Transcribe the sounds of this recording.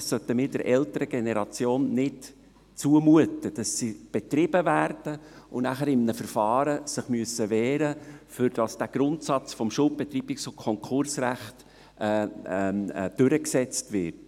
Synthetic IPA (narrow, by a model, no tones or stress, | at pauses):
ssœtəmɪːd̥əɾʔɛltəɾəɡ̥enɛɾɑt͡sjoːnːɪt | t͡suəmuətəd̥ɑsːib̥etɾɪb̥əvæːɾd̥əʊnæχəɾɪmnəfərfɑːɾəsəχmyəsəvɛːɾəfʏɾd̥ɑsd̥æɡ̥ɾʊntsɑt͡sfɔmʃʊlp̚b̥ɛt̪riːbɪksʊkʰɔŋkʰʊɾsræχtː | d̥øɾəksɛt͡stvɪt